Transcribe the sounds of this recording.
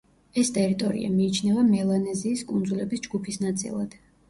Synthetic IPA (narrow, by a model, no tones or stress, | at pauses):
ɛst̪ʼɛɾit̪ʼɔɾḭa̰miːt͡ʃʰnɛvamɛlˠanɛziːskʼund̪zulɛbisd͡ʒɡupʰisnat̪sʼḭlˠa̰d̪̥